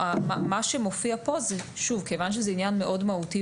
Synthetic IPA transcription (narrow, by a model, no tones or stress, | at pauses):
amamaʃemofiapo̞zɛʃuvkevanʃ̬ezɛinjanmeʔo̞dmaut̪i